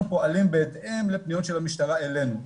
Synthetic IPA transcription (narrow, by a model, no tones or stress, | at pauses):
mpo̞ʔalimbeːt̪ʔemlepnijot̪ʃelamiʃt̪aʁae̞le̞nu